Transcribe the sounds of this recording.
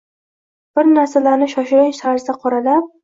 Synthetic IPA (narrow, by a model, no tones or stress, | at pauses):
b̥ɪɾnaɾsalaɾnɪʃɒʃɪɾasaɾzd̪aqʰɒɾalap̚